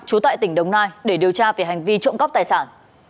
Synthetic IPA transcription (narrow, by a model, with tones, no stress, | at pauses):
t͡ɕu˨˦t̪a̰ː˧˨jt̪ï˧˩ŋ̟ɗə˨˧˩wŋ͡mnaː˧jɗe˧˩ɗi˨˩əwt͡ɕaː˧ve˨˩ɦa˨˩jŋ̟vi˧t͡ɕə̰˧˨ŋ͡mɣɔ˦˥p̚t̪aː˨˩jsaː˧˩n